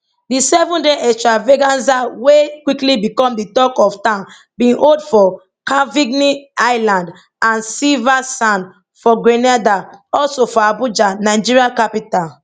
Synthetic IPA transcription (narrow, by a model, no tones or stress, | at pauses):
disɛvũndeʔɛstɹaveɡãnzawekwiklibikɔ̃mditɔkɔftãʊ̃n | bĩnʔodfɔ | kaviɡniaɪlãnd | ãnsivasãn | fɔɡɹɛnadaɔlsofɔabud͡ʒanaɪd͡ʒiɹiakapital